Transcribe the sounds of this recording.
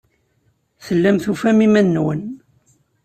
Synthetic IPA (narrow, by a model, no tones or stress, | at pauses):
θəlːæmθufæmimænːwən